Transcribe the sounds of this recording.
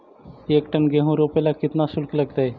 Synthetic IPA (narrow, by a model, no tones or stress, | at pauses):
ekʈənɡeɦũɾopelakit̪nasulkləɡt̪aj